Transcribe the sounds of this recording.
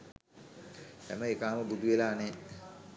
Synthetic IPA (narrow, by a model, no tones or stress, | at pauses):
t̪ɛ̰məekaːməbud̪uʋelaːnɛː